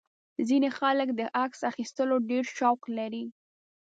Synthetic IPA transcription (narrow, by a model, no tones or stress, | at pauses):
zinexaləkd̪əʔaksaxist̪əloɖeɾʃɑwqlaɾi